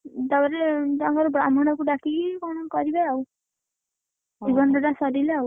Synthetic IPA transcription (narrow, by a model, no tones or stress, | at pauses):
d̪abaɾet̪aŋkɔɾɔbɾamɔɽ̃ɔkuɖakikɔnɔkɔɾibajaw | d͡ʒibɔndɔʈasɔdileaw